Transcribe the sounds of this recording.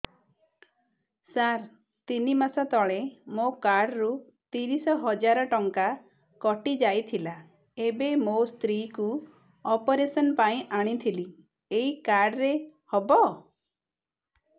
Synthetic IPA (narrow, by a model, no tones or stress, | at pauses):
saɾ | t̪inimasɔt̪ɔɭemokaɾɖɾu | t̪iɾisɔɦɔd͡ʒaɾɔʈɔŋka | kɔʈid͡ʒajt̪ʰila | ebemost̪ɾiku | ɔpɔɾesɔnpaĩʔaɽ̃it̪ʰili | eikaɾɖɾehɔbɔ